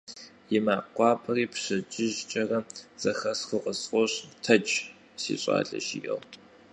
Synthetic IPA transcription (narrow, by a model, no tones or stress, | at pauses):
jɪmaːqʷɑːpʰɐriːpʰɕɐd͡ʒʼɪʒt͡ʃʼɐrɐz̥ɐxɐsxɨqəsqʷʼɔɕtʰɐt͡ʃʼ | sḭːɕʷʼa̰ːɮɐ̰ʃijɐ̰ʁtʰʼ